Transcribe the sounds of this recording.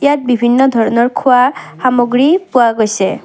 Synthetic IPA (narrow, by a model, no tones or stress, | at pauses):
jat̪̚bibʱinːɔd̪ʱɔɾɔnɔɹkʰahamoɡɾipuaɡɔjse